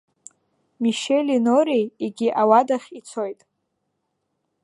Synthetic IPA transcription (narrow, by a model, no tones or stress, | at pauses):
miʃelʲinoɾijiɡʲiʔawadaχʲit͡sʰojtʼ